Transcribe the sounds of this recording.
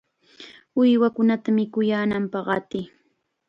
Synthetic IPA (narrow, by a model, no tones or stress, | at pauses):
ʊjwakʊnat̪amɪkʊjaːnampɑχɑt̪ɪ